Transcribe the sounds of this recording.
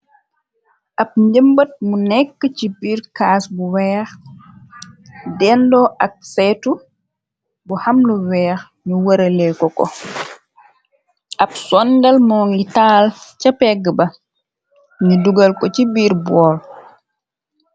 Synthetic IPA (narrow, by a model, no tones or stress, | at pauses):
ʔap̚ɲɟəmbɐt̚munɛkːəcibiːɾkaːsbuwɛːx | dɛndɔʔak̚sɛtu | buhamluwɛːx | ɲuwəɾɐlɛkɔkɔ̰ | ʔapsɔndɐlmɔːŋɡitaːlcapɛɡəbɐ | ŋiduɡɐlkɔcibiːɾbɔːl